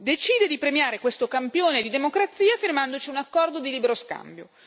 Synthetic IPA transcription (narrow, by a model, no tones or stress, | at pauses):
d̪et͡ʃiːd̪ed̪ipɾemjaːɾekwest̪okampjoːned̪id̪emokɾat̪sːiːafirmand̪ot͡ʃiunakːɔrd̪od̪iliːbeɾoska̰mbjo